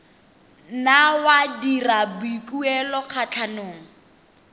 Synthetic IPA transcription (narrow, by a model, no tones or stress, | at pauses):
nawadirabikʼuɛlɔk͡xʰat͡ɬʰanoːŋ̩